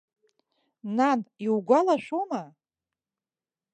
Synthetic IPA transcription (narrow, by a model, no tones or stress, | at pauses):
naniwɡʷalaʃʷoma